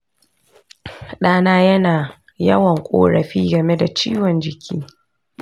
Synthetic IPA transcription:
ɗaː˦naː˦jɐ˦naː˨ | jɐ˦wɐ˨ŋkʷʼo̰ː˦ɾɐ˨ɸiː˦ɡɐ˨me˦da˨t͡ʃiː˦wɔ˨nd͡ʒɪ˨kʲʰiː˦

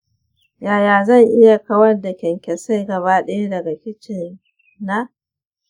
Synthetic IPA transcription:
jaː˨jaː˨zɐ˦˨ŋʔɪ˦ja˨kɐ˦wɐ˦rda˨kʲɛ˨ŋkʲɛ˨sa˦jɡɐ˨βaː˦ɗɛ˦ja˦dɐ˨ɡa˨kʲɪ˦t͡ʃɪ˨nː | a˦

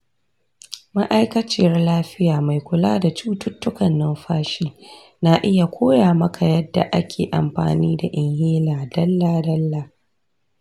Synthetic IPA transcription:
ma˦ʔa˦jkɐ˦t͡ʃi˨˦rlaː˦ɸɪ˦jaː˨ma˨jkʷʊ˨laː˦da˨t͡ʃuː˦tʊ˦tːʊ˦kɐ˨nːɐ˦mɸaː˦ʃiː˦ | na˦ʔɪ˦ja˨kʷʰoː˦jaː˨mɐ˦kʰa˨jɐ˦dːa̰˨ʔa˦kʲʰḛː˨ʔa̰˨mɸa̰ː˨niː˦da˨ʔɪ˨ŋheː˦laː˨dɐ˦lːaː˨dɐ˦lːaː˨

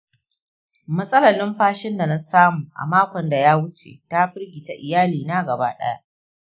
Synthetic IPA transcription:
mɐ˦sʼɐ˦lɐ˨nɪ˦mɸaː˦ʃɪ˦nda˨na˦saː˦muː˨ʔa̰˨maː˦kʷɔ˨nda˨jaː˦wʊ˦t͡ʃḛ˨ta˦ɸɪ˦rɡʲi˨ta˦ʔɪ˨jaː˦liː˨naː˦ɡɐ˨baː˦ɗɐ̰˦ja˦ʔ

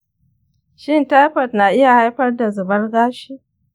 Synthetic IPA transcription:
ʃɪ˦nta˦jɸɐ˨tna˨ʔɪ˦ja˨ha˦jɸɐ˦rda˨zʊ˨bɐ˦rɡaː˦ʃiː˦

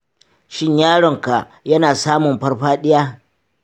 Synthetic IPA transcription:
ʃɪ˦ɲjaː˦ɽɔ˨ŋka˨ | jɐ˦naː˨saː˦mʊ˨mɸɐ˦rɸaː˦ɗɪ˦jaː˦

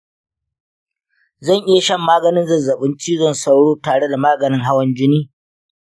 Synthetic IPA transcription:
zɐ˦˨ŋʔɪ˦ja˨ʃɐ˦˨mːaː˦ɡɐ˨nɪ˦nzɐ˨zɐ˨ɓɪ˦nt͡ʃiː˦zɔ˦nsa˦wɽoː˦taː˨ɽe˦da˨maː˦ɡɐ˨nɪ˦ŋɦa˦wɐ˦nd͡ʒɪ˦niː˦

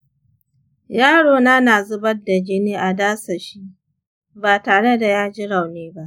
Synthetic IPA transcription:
jaː˦ɽoː˨na˦naː˨zʊ˦bɐ˦da˨d͡ʒɪ˦niː˦ʔa˨daː˦sɐ˨ʃi˦ | baː˨taː˨ɽe˦da˨jaː˦d͡ʒɪ˦ɽa˨wneː˦ba˦ʔ

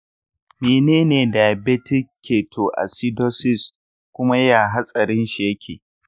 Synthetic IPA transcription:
meː˨neː˦neː˨da˨jbɛ˦tɪ˦kʲʰːeː˨tʰo˨ʔa̰˨si˦do˦sɪ˦˨s | kʷʊ˦ma˦ja˨ɦa˦sʼɐ˨ɾɪ˦nʃi˨jɐ˦kʲʰeː˨

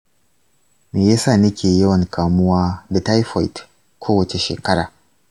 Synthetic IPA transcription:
meː˨jaː˦saː˦˨nɐ˦kʲeː˨jɐ˦wɐ˨ŋkʰaː˨mʊ˦waː˦da˨ta˦jɸɔ̰˨jt | kʷʰoː˦wɐ˨t͡ʃe˨ʃeː˨kɐ˦ɽa̰ː˨

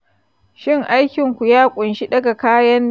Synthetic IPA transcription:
ʃɪ˦ŋʔa˦jkʲɪ˨ŋkʷu˨jaː˦kʷʼʊ˨nʃi˦ɗɐ˦ɡa˨kaː˦jɐ˦nː

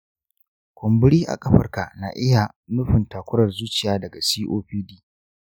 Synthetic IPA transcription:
kʷʰʊ˨mbʊ˦ɽiː˦ʔa̰˨kʼɐ˦ɸɐ˨rka˨na̰ː˨ʔɪ˦ja˨ | nʊ˦ɸɪ˨ntaː˨kʷʊ˦ɾɐ˨rzuː˦t͡ʃɪ˨jaː˦dɐ˨ɡa˨siː˦ʔoː˦ɸiː˦diː˦

